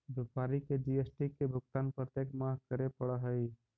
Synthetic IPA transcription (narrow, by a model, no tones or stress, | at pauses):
bjəpaɾiked͡ʒiesʈikebʱuk̚t̪anpɾət̪ekmakəɾepəɽəɦəj